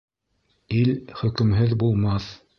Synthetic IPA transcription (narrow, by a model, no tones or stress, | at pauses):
ilχɵ̆kɘ̆mɦɘðbulˠmɑθ